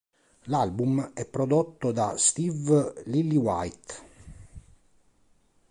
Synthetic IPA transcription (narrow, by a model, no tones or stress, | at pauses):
lalbumɛpːɾod̪ot̪ːod̪ast̪ivlilːiwajt̪